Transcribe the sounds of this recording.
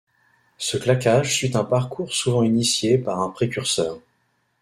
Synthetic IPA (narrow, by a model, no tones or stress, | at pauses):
səklakaʒsyt̪ɛ̃paʁkʰuʁsuvɑ̃inisjepaʁɛ̃pχekʲyʁsœːʁ